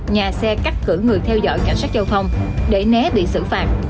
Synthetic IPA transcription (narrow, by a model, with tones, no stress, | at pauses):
ɲaː˨˩sɛ˧kaː˦˥k̚kɨ˧˩əŋɨ˨˩əjt̪ʰɛ˧wzɔ̰˧˨jka˧˩jŋ̟sa˦˥k̚zə˧wt̪ʰə˧wŋ͡mɗe˧˩nɛ˨˦ɓḭ˧˨sɨ̰˧˩fa̰ː˨˩t̚